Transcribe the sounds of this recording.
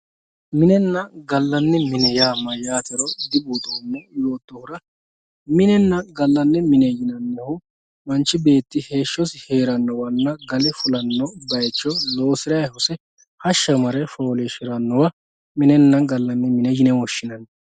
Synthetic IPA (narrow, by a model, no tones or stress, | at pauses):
mɪnɛnːɐɡɐlːɐnːɪmɪnɛjaːmːɐjaːt̪ɛɾɔd̪ɪbuːt̪oːnːɛjo̞ːt̪ːɔhʊɾɐ | mɪnɛnːɐɡɐlːɐnːɛmɪnɛjɪnɐnːɛhʊ | mɐnt͡ʃːɪbe̞ːt̪ːɪhe̞ːʃːɔshe̞ːɾɐnːɔwɐnːɐɡɐlɪfʊlɐnːɔbɐjt͡ʃːɔloːsɪɾɐjhʊsɛ | hɐʃːɐmɐɾɛfoːlɛʃɪɾɐnːɔwɐ | mɪnɛnːɐnɡɐlːɐnːɪmɪnɛjɪnɛwɔʃːɪnɐn